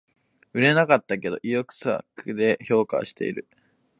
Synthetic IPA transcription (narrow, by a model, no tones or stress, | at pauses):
ɯ̟ɾe̞nakat̪ːake̞d̪o̞̰ʔijokɯ̟̥sa̰kɯd̪e̞ço̞ːka̰ɕi̥t̪e̞̰ḭɾɯ̟